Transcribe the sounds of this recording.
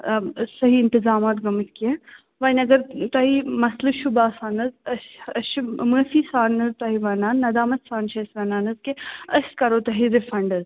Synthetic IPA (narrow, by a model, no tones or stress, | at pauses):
sɐɦiɪnt̪ɪzaːmaːt̪ɡɐmɨt̪kiẽ | ʋɐnʲɐɡɐɾt̪ɐɦimɐslɨʃubaːsaːnɐzɐsɐʃmɨsiːsaːnɐzt̪ɐɦiʋɐːnaːnːɐd̪aːmɐssaːnʃɐsʋɐnaːnɐzkeɐskɐɾoːt̪ɐɦiɾɪfɐɳɖɐz